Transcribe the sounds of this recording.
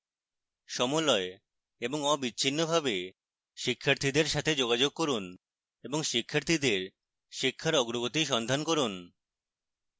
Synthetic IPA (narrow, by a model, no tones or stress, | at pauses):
ʃɔmolɔe | eboŋɔbit͡ɕːɕʰinːobʱabe | ʃikʰːaɾt̪ʰid̪eɾʃat̪ʰed͡ʑoɡad͡ʑoɡ̚kɔɾun | eboŋʃikʰːaɾt̪ʰid̪eɾ | ʃikʰːaɾɔɡɾoɡot̪iʃɔnd̪ʱankoɾun